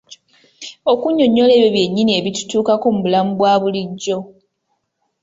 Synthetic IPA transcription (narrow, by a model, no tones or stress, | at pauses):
o̞kuɲːo̞ɲːo̞le̞ːβjoβje̞ɲːinie̞βitu̥tuːkako̞muβulamubwaːβuliɟːo̞